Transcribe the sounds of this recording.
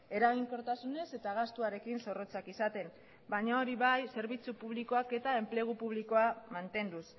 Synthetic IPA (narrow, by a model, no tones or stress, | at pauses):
e̞ɾaɣ̞iŋko̞ɾt̪asune̞se̞t̪aɣ̞ast̪uaɾe̞kinso̞ro̞t͡sakisat̪e̞n | bajɲao̞ɾiβajse̞ɾβit͡supuβ̞liko̞ake̞t̪ae̞mple̞ɣ̞upuβ̞liko̞amant̪e̞nd̪us